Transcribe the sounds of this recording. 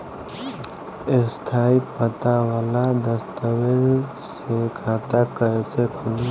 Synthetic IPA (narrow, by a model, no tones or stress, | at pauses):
ɪst̪ʰaːipət̪awalad̪əst̪əweɾsekʰaːt̪akəesekʰʊli